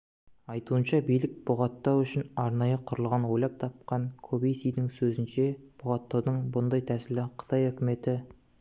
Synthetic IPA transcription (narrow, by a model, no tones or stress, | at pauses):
ɑjt̪uənʃɑbijlɪk̚bʊʁɑt̪ːɑwʏʃɪnɑɾnɑjəqʰʊɾəlˠʁɑnwo̞jlˠɑp̚t̪ʰɑp̚qɑŋkʰobejsijd̪ɪŋsɵzɪnʃe̞b̥ʊʁɑt̪ːɑwd̪əɴbʊnd̪ɑjt̪ʰæsɪlɪqʰə̥t̪ʰɑjɵkʲɪme̞t̪ɪ